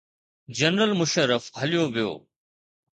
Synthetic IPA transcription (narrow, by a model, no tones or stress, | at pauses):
d͡ʑɐnɾəlmʊʃəɾːəfɦɐlijoʋijo̰ː